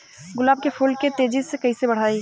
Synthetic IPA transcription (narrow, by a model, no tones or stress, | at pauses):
ɡʊlaːb̚kepʰuːlket̪eːd͡ʒɪssekɐɦisebɐɽ̤aːiː